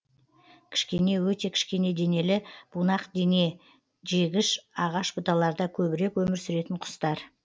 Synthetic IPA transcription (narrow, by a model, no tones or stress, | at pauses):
kʲʰɪ̥ʃkʲe̞ne̞wɵt̪e̞kʲʰɪ̥ʃkʲe̞ne̞d̪e̞ne̞lɪb̥unɑqd̪ene̞ | ʒe̞ɡʲɪʃɑʁɑʃbʊt̪ɑlˠɑɾd̪ɑkʲʰɵβɪɾe̞kwɵmɪɾsʏɾe̞t̪ɪɴqʰʊ̥st̪ɑɾ